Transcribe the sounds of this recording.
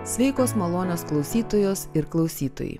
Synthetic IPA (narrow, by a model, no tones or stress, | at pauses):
sʲʋʲɛɪkoːsmɐlˠoːnʲoːsklˠɐʊsʲiːt̪oːjoːsɪɾklˠɐʊsʲiːt̪o̰ːjɛ̰ɪ